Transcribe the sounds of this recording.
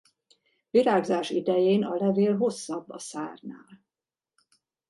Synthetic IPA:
viɾaːɡzaːʃid̪ɛjeːnɒlɛveːlɦo̞sːɒbːɒ̰saːrnaːl

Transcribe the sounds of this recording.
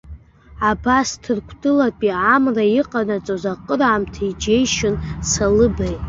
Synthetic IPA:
abastʰɨrkʷʰdɨlapʼiʕamraiqʼanat͡sʼozaqʼəraːmtʰaid͡ʒejʃɪnsalɨbejtʼ

